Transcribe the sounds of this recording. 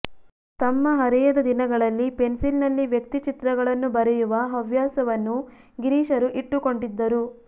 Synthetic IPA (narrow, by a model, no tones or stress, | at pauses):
t̪ɐmːɐɦɐɾɛjɐd̪ɐd̪inɐɡɐɭɐlːipe̞nsilnɐlːiʋjɐk̚t̪it͡ʃit̪ɾɐɡɐɭɐnːubɐɾɛjuʋɐɦɐʋjaːsɐʋɐnːu | ɡiɾiːʂɐɾuʔiʈːuko̞ɳɖid̪ːɐɾu